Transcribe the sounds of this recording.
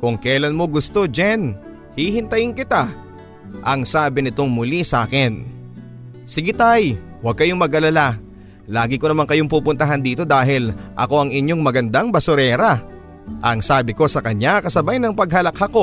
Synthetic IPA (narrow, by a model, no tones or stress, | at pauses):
kʊŋkɛːlɐnmo̞ɡʊst̪o̞d͡ʒɛn | hihɪnt̪ɐjɪŋkɪt̪a | ʔɐŋsaːbɪnɪt̪o̞ŋmʊlisaːkɛn | sɪɡɪt̪aj | wɐɡ̚kɐjoŋmɐɡʔɐlɐla | laːɡɪkonɐmaŋkɐjoŋpuːpʊnt̪ɐɦand̪iːt̪o̞d̪aːɦɪlʔɐ̰ko̞ɐŋɪɲjo̞ŋmɐɡɐnd̪aŋbɐsʊɾɛːɾɐ | ʔɐŋsaːbɪko̞sɐkɐɲakɐsɐbajnɐŋpɐɡ̚hɐlɐkhɐko̞